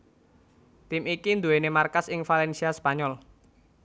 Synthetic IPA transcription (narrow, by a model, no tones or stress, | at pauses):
t̪imikind̪uwenemarkasɪŋfalɛnsiaspaɲɔl